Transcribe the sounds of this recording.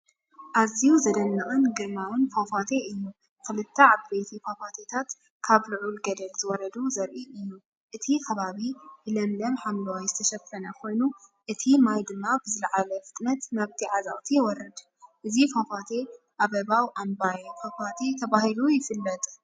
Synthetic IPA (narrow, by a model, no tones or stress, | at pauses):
ʔaziuzɐd̪ɐnːɨkʼɨnɡɨɾmawɨnfafat̪ʰe̞ʔɨjːu | kʰɨlɨt̪ʰːɐʕaβbejt̪ʰifafat̪ʰet̪ʰat̪ | kʰaβluʕulɡɐd̪ɐlzɨwɔɾɐd̪uzɐɾʔiɨjːu | ʔɨt̪ʰikʰɐβaβihɨlɐmlɐmħamlɐwajzɨt̪ʰɐʃɐfɐnɐkʰo̞jnuʔɨt̪ʰimajd̪ɨmːabɨzɨlʕalɐfɨt̪ʼnɐt̪naβt̪ʰiʕaza̰ʔʼt̪ʰijwɔɾɐd̪ | ʔɨzifafat̪ʰe̞ | ʔaβɐβawʔambajfɐfat̪ʰe̞t̪ʰɐβahilujɪfɨlːɐt̪ʼ